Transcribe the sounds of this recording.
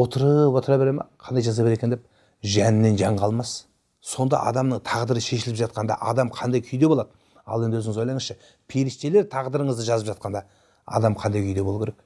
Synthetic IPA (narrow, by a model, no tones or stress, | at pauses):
o̞t̪əɾəpwo̞t̪əɾɑbe̞ɾemɑ̰qʰɑnd̪ɑjʒɑzɑpbeɾe̞kʲed̪ep̚ | ʒænnːe̞nʒɑɴqʰɑlˠmɑs | so̞nd̪ɑ̰ʔɑ̰d̪ɑmnəɴt̪ʰɑʁd̪əɾəʃe̞ʃɪlɪpʒɑt̪̚qɑnd̪ɑ̰ʔɑd̪ɑmqʰɑnd̪ɑjkʲʰʏjd̪e̞bolˠɑd̪ə | ɑ̰lˠend̪ɪwɵzɪŋɪzwolˠɑjɴəsʃə | pʰeɾist̪e̞le̞ɾt̪ʰɑʁd̪əɾəɴəzd̪əʒɑzəpʒɑt̪̚qɑnd̪ɑ | ɑ̰d̪ɑmqʰɑnd̪ɑjkʲʰʏjd̪e̞bo̞lˠukʲʰeɾek̚